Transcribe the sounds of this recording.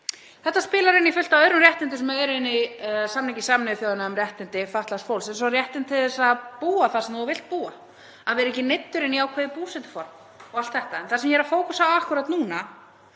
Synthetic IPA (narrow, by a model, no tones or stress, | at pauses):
θɛht̪ːaspɪːlaɾɪnːifʏl̥t̪awœːðɾʏmrjɛht̪ɪnt̪ʏsɛmɛɛɾɪnːɪsamnɛcɪ̥samnɪθjoːðɪnaœmrjɛht̪ɪnt̪ɪfaht̪last̪fowlsɛnsɔrjɛht̪ɪnt̪ʰɪðɛsaðpuːaθasɛmɔːvɪl̥t̪̚puːa | aðvɛːɾɪɛcɪnejt̪ːʏɾɪnːiaːwkʰvɛːðɪpuːsɛt̪ʏ̥fɔɾm | ɔɣalt̪θɛht̪aɛnθasɛmjɛɾafoːwkusaaakʏɾat̪nuːna